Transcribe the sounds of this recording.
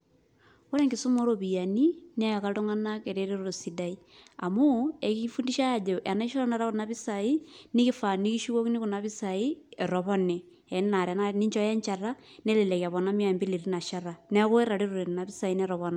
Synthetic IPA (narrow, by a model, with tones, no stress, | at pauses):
ko˦ɾe˦ŋɡɪ˨su˦mo˦ɾo˨βi˨ja˨ni˦nɛ˦˨ka˦to˦ŋa˦na˦ke˨ɾe˦ɾe˦ɾo˦ɾo˨si˨da˦i˦ | a̰˨mo˦e˨ki˦fu˦ndi˦ʃa˦ja˨d͡ʒe˨ʔa˨na˦i˦ʃo˦ɾɔ˦na˨ɾa˦ku˨na˦βi˦sa˨i˦ni˦ki˦fa˨ni˦ki˦ʃu˦ɣo˦ki˦ni˦ku˨na˨βi˦sa˨i˦ɛ˨ɾɔ˨βɔ˦ne˨ | ɛ˨n˦na˨ɾa˨na˦ni˦ɲt͡ʃɔ˦jɛ˦ɲt͡ʃa˨ra˦nɛ˦le˨lɛ˨ka˨βɔ˨na˦mi˦a˨mbi˦li˨ɾi˦na˨ʃa˦ɾa˨nɛ˦ko˦e˦ɾa˨ɾe˦ɾo˨ɾe˨na˨βi˦sa˨i˦nɛ˦ɾɔ˨βɔ˦na˨